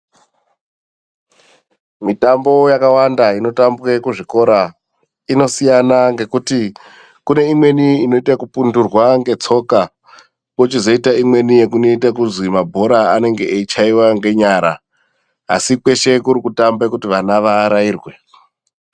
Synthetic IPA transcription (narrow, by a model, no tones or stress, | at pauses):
mitambo̞jakawandaino̞tambwe̞kuʐiko̞ɾa | ino̞sijanaŋɡe̞kuti | kune̞imwe̞niino̞itakupundurwaŋɡe̞t͡so̞ka | kot͡ʃizo̞itaimwe̞nije̞kuno̞itakuzimabʱo̞ɾaane̞ŋɡe̞ʔːit͡ʃaiwaŋɡe̞ɲaɾa̰ː | sikwe̞ʃe̞kuɾikutambekutiʋanaʋaɾaiːrwe̞